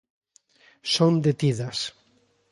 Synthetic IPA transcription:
sond̪et̪iðas

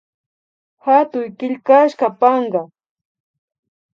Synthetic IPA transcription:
hat̪ʊjkɪʎkaʃkɑpɑɴɢɑ

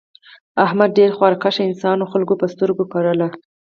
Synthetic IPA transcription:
ahmad̪̚ɖeɾxwɑɾkaʃaɪnsɑnoxalɡopəst̪əɾɡokaɾəla

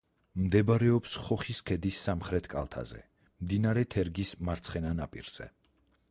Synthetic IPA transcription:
md̪ɛbɾɛɔpsχɔχiskʰɛd̪isːamχɾɛt̪ʰkʼa̰lˠt̪ʰa̰zɛ̰ | md̪inaɾɛt̪ʰɛɾɡismaɾt̪sʰχɛnanapʼḭɾz̥ɛ̰

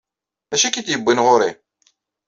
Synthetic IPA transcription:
æʃækid̪jəbːənʁʊɾi

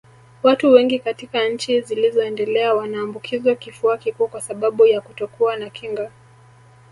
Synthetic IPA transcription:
watuwɛŋɡikatikaɲ̩t͡ʃizilizɔɛndɛlɛawanaːmbukʰizakifuakikuːkwasaɓaɓujakutɔkuanakʰiŋɡa

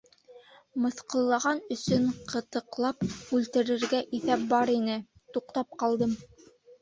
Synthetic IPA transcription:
mɤ̆θqɤ̆lˠːɑʁɑnɵ̆sɵɴqʰɤ̆t̪ɤ̆qlˠɑpʉlt̪ɘ̆ɾɘ̆ɾɡæʔiθæp̚bɑɾinɘ | t̪uqt̪ɑp̚qɑlˠd̪ɤm

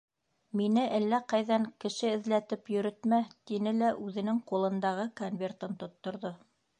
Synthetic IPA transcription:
minɘʔælːæqɑjðɑŋkɘ̆ʃɘɘ̆ðlæt̪ɘpjɵ̆ɾɵ̆t̪mæt̪inɘlæʔʉðɘ̆nɘŋqulˠɤ̆nd̪ɑʁɤkonvʲert̪ɤnt̪ŏt̪ːŏɾðo

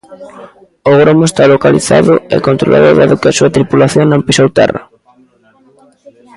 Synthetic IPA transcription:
ʊɣɾomʊest̪alokalḭθa̰ðʊɛ̰kont̪ɾo̰lʔa̰ðʊðaðʊkɪasuɐt̪ɾipulaθjoŋnõmpisowt̪ɛ̰ra

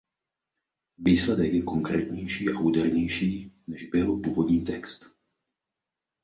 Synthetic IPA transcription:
ʋiːslɛd̪ɛɡjɛkɔŋkɾɛ̰ːt̪ɲɛjʃiːaʔuːd̪ɛɾɲɛjʃiːnɛʒbɛlɔpuːvɔd̪ɲiːt̪ɛkst̪

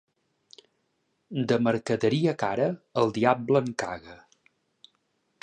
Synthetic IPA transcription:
d̪əməɾkəðəɾiəkaɾəəlˠd̪iab̚bləŋka̰ɣə

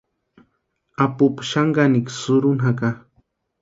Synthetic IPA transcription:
apʊpʃaŋɡanɪksʊɾunɦaka

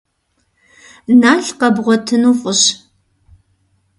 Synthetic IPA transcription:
naːɬqɐbʁʷɔtʰɨnuːχʷʼʊɕ

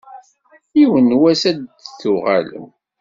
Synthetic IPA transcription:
iwənwæsæd̪θʊʁa̰lə̰m

